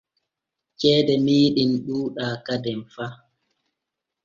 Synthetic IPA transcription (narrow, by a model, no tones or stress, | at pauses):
t͡ʃɛːdɛmiːɗinɗuːɗaːkadɛmfa